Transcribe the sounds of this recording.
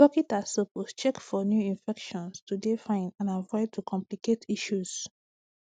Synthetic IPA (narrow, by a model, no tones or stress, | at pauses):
ɔkitasopost͡ʃɛkfɔnjuĩnfɛkʃɔ̃nstudefãɪ̃nãnavɔɪtʰukʰɔ̃mpliketʰiʃuz̥